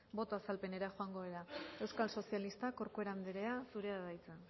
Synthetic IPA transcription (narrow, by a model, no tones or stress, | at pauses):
bo̞t̪o̞asalpe̞ne̞ɾaxoaŋɡo̞eɾae̞wskalso̞sialist̪ako̞ɾkue̞ɾand̪eɾeasuɾe̞aðajt͡se